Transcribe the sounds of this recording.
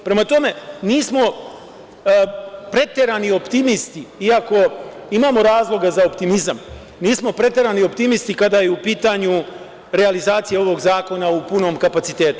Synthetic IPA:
pɾe̞mat̪o̞me̞niːsmo̞ | pɾe̞t̪e̞ɾanio̞pt̪imist̪iiako̞imaːmo̞ɾaːzlˠo̞ɡazaopt̪imizam | niːsmo̞pɾe̞t̪e̞ɾanio̞pt̪imist̪ikad̪ajeupiːt̪aɲu | ɾe̞alizaːt̪sije̞o̞ʋo̞ɡzaːko̞naupuno̞ːmkapat̪sit̪e̞ːt̪u̥

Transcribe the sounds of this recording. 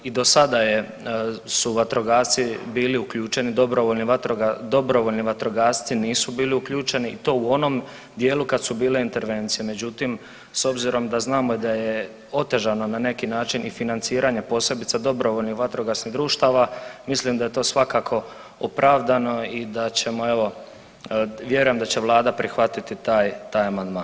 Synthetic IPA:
id̪o̞sad̪aje | suʋat̪ɾo̞ɡaːst̪sibiːliuklʎuːt͡ʃe̞nid̪o̞bɾoʋo̞ʎniʋat̪ɾoɡad̪o̞bɾo̞ʋo̞lniʋat̪ɾo̞ɡaːst̪siniːsubiːliukʎuːt͡ʃe̞niit̪o̞ːuo̞no̞m | d̪je̞ːlukad̪subiːleint̪e̞ɾʋe̞nt̪sijeme̞d͡ʑut̪im | so̞bziɾo̞md̪aznaːmoid̪aje | o̞t̪e̞ʒano̞nane̞kinaːt͡ʃinʔifinant̪siːɾaɲe̞po̞ːse̞bit̪sad̪o̞bɾo̞ʋo̞ʎnixʋat̪ɾoɡasniɣd̪ɾuːʃt̪aʋamislimd̪aje̞t̪o̞ːsʋakaːkʰo̞ | opɾʔaʋd̪ano̞id̪at͡ɕe̞moe̞ʋo̞ | ʋje̞ɾuje̞md̪at͡ɕe̞ʋlˠaːd̪apɾʔixʋat̪it̪it̪aːjt̪aːjamand̪maːn

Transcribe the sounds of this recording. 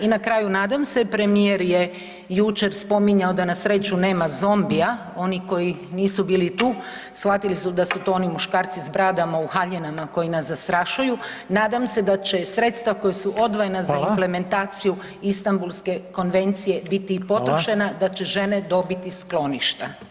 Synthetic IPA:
inakɾaːjunaːd̪amse̞pɾe̞mieɾje | jut͡ʃe̞ɾspo̞miɲaod̪anasɾe̞t͡ʃune̞ːmazo̞mbia | o̞niko̞ji | niːsubiːlit̪uː | sxat̪ilisud̪asut̪oonimuʃkaːɾt̪sizbɾaːd̪amauxaʎenamako̞jinasːast̪ɾaʃuju | naːd̪amse̞d̪at͡ɕe̞sɾe̞t̪st̪ʋako̞jesuʔo̞d̪ʋojenazaimple̞me̞nt̪aːt̪siju | ist̪ambulˠske̞ko̞nʋe̞nt̪sije̞bit̪ipo̞t̪ɾoʃenad̪at͡ɕe̞ʒe̞ne̞d̪o̞bit̪isklo̞niʃt̪a

